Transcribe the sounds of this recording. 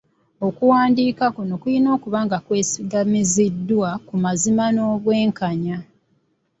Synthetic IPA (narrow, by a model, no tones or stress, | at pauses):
o̞kuwaːndiːkakuno̞kujino̞ːkuβaːŋɡakwe̞ːsiɡamizidːwakumazimano̞ːβwe̞ːŋkaɲa